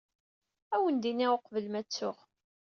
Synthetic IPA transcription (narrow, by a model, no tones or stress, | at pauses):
æwənd̪inioqvəlmæt͡sːʊʁ